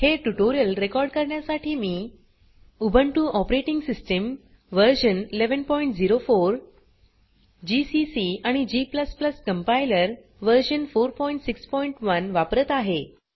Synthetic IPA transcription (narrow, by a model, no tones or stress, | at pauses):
heʈuʈoɾijəlɾekɔɾɖkəɾɳjasaʈʰiːmiː | ubʱəɳʈuːʔɔpɾeʈiŋɡsisʈəm | ʋəɾɕənileʋənpɔiɳʈd͡ziɾofoɾ | d͡ʑisisiaɽ̃id͡ʑipləspləskəmpailəɾ | ʋəɾɕənfoɾpɔjiɳʈsikspɔiɳʈʋənʋapɾət̪aɦe